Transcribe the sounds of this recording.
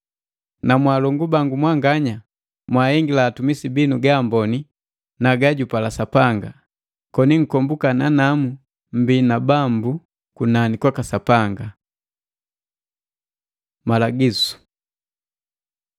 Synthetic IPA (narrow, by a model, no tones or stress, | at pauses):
namwaːlɔŋɡubaŋɡumwaŋɡaɲa | mwaːhɛŋɡilaːtumisibinuɡaːmbɔni | naɡaɟupalasapaŋɡa | kɔniŋ̩kɔmbukananamu | m̩binabambu | kunanikwakasapaŋɡa | malaɡisu̥